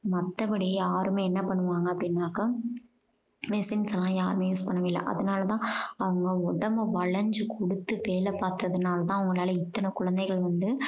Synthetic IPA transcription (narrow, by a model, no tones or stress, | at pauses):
mɐt̪ːɐpɐɽɪjjaːɾɯmeːɛnːɐpɐɳːɯʋaːŋɡɐpːɽɪnːaːkɐ | mɪsɪnsɐlːãːjaːɾɯmeːjuːspɐɳːɐʋeːlːɐ̰ʔɐ̰ðɐnaːlɐt̪ãːɐʋɐŋɡɐɔɽɐmɐʋɐɭɐɲd͡ʒɯkʰɔɽɯt̪ːɯʋeːlɐpaːɾt̪ɯɐðɯnaːlɐt̪ãːɐʋɐŋɡɐɭaːlɐɪt̪ːɐnɐkʊɻɐnd̪ɐɪɣɐɭʋɐnd̪ɯ